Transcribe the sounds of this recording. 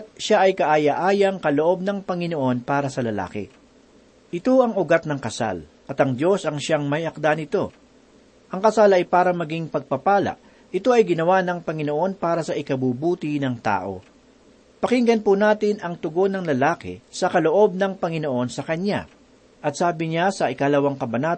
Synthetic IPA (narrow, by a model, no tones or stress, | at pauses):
t̪̚ʃaʔɐjkɐʔaːjɐʔaːjɐŋkɐloʔo̞b̚nɐŋpɐŋɪno̞ʔo̞npaːɾɐsɐlɐla̰ːkɛ̰ | ʔɪt̪o̞ɐŋʊɡat̪̚nɐŋkɐsa̰l | ʔɐt̪ɐŋd̪jo̞sɐŋʃaŋmɐjɐk̚d̪anɪt̪o̞ | ʔɐŋkɐsalɐjpaːɾɐmɐɡiŋpɐɡ̚pɐpaːlɐ̰ʔ | ʔɪt̪o̞ʔɐjɡɪnɐwanɐŋpɐŋɪno̞ʔo̞npaːɾɐsɐʔɪkɐbuːbuːt̪ɪnɐŋt̪a̰ːʔo̞̰ | pɐkɪŋɡɐnpunaːt̪ɪnʔɐŋt̪ʊɡo̞nɐŋlɐlaːkɛ̰sɐkɐlo̞ʔo̞b̚nɐŋpɐŋɪno̞ʔo̞nsɐkɐɲːa̰ | ʔɐt̪̚saːbɪɲasɐʔɪkalɐwaŋkɐbɐnaː